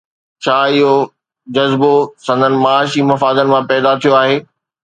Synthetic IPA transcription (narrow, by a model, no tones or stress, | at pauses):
t͡ɕʰaːɪɦo | d͡ʑɐzbosɐ̃nd̪ʱənɪ̆mɐaːʃimɐfaːd̪ənɪ̆mãpɛːd̪at̪ʰijoaːɦeː